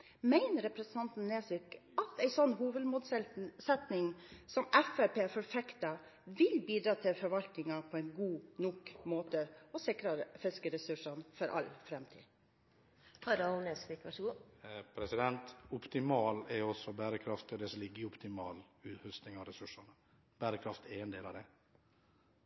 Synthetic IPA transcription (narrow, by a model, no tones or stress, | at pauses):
mæɪnəɾɛpɾɛsnʰɑnt̪nneːsɪkɑt̪æɪsɔnːɦuːʋəd̪muːd̪ssɛt̪nɪŋsɔmɛfɛpʰeːfɔɾfɛkt̪ɑ | ʋɪlbiːd̪ɾɑːt̪ʰɪlfɔɾʋɑlt̪nɪŋɑpʰɔɛɪnɡuːnʊkmoːt̪əɔsɪkɾɑfɪskəɾɛsʉʂɑnfɔɾʔɑ̰lfɾɛmt̪ʰḭː | hɑɾɑnɛsʋɪkʋɑʂɡuːpʰɾɛsɪd̪ɛnt̪ʊpt̪ɪmɑːlɛɾɔsɔbæːɾəkʰɾɑft̪ɔd̪ɛsɔlɪɡːəɾɪʊpt̪ɪmɑːlʉːt̪hʉst̪nɪŋɑɾɛsʉʂɑɳə | b̥æːɾəkʰɾɑft̪ɛɾɛnd̪eːlɑ̰d̪ɛ